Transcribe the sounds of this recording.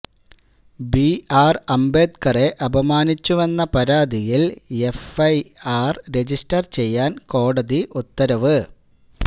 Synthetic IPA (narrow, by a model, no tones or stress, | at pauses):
biaːrɐmbe̞ːd̪kɐre̞ʔɐbʱɐmaːnit͡ɕːuʋɐnːɐpɐɾaːd̪ijilefɐjaːrɾe̞d͡ʑistɐrt͡ɕe̞jːaːnko̞ːɽɐðiʔut̪ːɐɾɐʋɨ